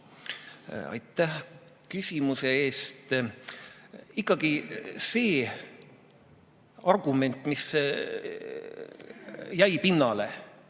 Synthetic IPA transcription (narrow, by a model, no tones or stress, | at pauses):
ɑ̰jt̪ːˑæh | kysʲimuseeːst̪ | ikˑːɑɡ̥ise̞ː | ɑrɡ̥ume̞nt̪ːˑmis | jæjpinːɑle̞̰